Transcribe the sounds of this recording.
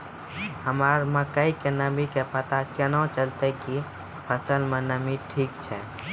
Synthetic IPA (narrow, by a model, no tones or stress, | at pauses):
həmaɾməkəikenəbikepət̪akenõt͡ʃəlt̪eki | pʰəsəlmẽnəmiʈʰiːk̚t͡ʃʰɛː